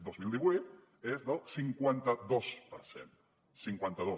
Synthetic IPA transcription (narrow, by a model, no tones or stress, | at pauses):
d̪ozmilˠd̪iβwut̪̚ | ezðəlˠsiŋkwant̪əðospəɾsḛn | siŋkwant̪aðo